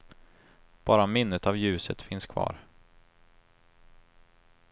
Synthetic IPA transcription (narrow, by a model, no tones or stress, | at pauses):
b̥ɑːɾamɪnːət̪avjʉ̟ːsət̪fɪnskʰvɑ̰ːɾ